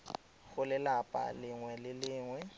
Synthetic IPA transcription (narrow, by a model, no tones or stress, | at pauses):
ɣʊlɪlapʼa̰lɪŋwɛlɪlɪːŋwɛ